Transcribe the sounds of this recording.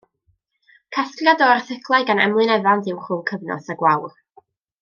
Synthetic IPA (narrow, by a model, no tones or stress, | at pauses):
kʰaskrjadɔrθɪkʰlˠaɨɡanɛ̰mlˠɨnɛvantɪwχʊːmkʰəvnɔ̰saɡwawr